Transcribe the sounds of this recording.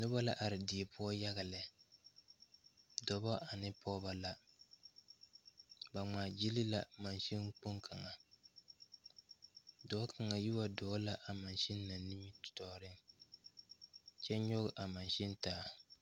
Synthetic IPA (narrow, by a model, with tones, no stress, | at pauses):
nʊ˦ba˦la˦ʔa˨ɾɪ˨di˨e˨pʊ˦ɔ˦ja˦ɣa˨lɪ˨ | dɔ˨bɔ˦ʔa˨nɪ˦pʰɔ˦ba˦la˦ | ba˨ŋaː˨d͡ʒi˦li˦la˦ma˨nʃi˦nk͡po˦ŋkʰa˨ŋa˨ | dɔ˨˦kʰa˨ŋa˨ji˦wa˦dɔː˨˦la˦ʔa˨ma˨nʃɪ˦nː˦a˨ni˦ɲi˦tʊ̥˨tɔ˨ɾɪ˦ŋ | t͡ʃɛ˦ɲɔ˦ɣʊ˨ʔa˨ma˨nʃɪ˦n˦taː˨˦